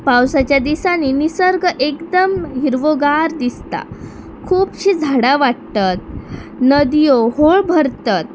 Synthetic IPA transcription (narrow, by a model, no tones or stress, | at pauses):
pãwsat͡ɕjad̪isaninisəɾɡʔekd̪əmɦiɾʋoɡaɾd̪ist̪a̰ | kʰuːpɕiːd͡zʱaɽaʋaʈt̪at̪̚ | nəd̪ijohoɭbʱəɾt̪at̪̚